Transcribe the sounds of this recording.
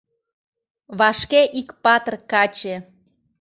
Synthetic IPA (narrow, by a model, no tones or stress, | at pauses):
βɑʃkeʔikpɑt̪ərkɑt͡ɕe